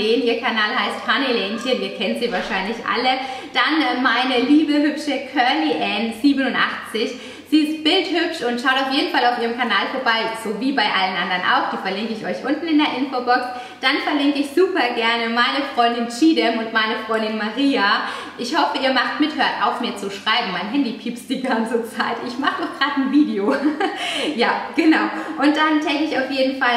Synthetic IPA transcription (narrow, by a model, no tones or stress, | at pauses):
eːnʔiːɐkʰanaːlɦaɪsthanileːnçəniːɐkʰɛntz̥iːvaːɐʃaɪnlɪçʔa̰ləd̥anmaɪnəliːbəɦʏpʃəkʰœɐliʔɛnz̥iːbənʊntʔa̰χt͡sɪç | z̥iːɪstb̥ɪlthʏpʃʊntʃaʊtaʊfjeːdn̩falaʊfʔiːʁəmkʰanaːlfoːɐbaɪz̥oviːbaɪʔalənʔandɐnʔa̰ʊxd̥iːfɛɐlɪŋkəɪçɔʏçʔʊntn̩ɪndeːɐʔɪnfoːbɔks | d̥anfɛɐlɪŋkəɪçz̥uːpɐɡɛɐnəmaɪnəfʁ̥ɔʏndɪnt͡ʃiːdɛmʊntmaɪnəfʁ̥ɔʏndɪnmaʁiːa | ʔɪçhɔfəiːɐmaχt̚mɪthøːɐtʔaʊfmiːɐt͡suʃʁ̥aɪbm̩maɪnɦɛndipʰiːpstd̥iːɡant͡sət͡saɪtɪçmaχədɔxɡ̥ʁaːtn̩viːdeoː | jaːɡ̥ənaʊʔʊnt̚d̥antʰɛkəɪçaʊfjeːdn̩fal